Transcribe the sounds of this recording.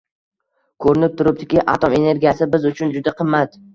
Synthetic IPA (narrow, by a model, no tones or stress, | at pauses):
kʰɵɾɪnɪp̚t̪ʰʊɾɪp̚d̪ɪkʲɪʔa̰t̪ʰome̞ne̞ɾɡʲijasɪbɪzʊt͡ʃʰʊnd͡ʒʊd̪aqʰɨmːat̪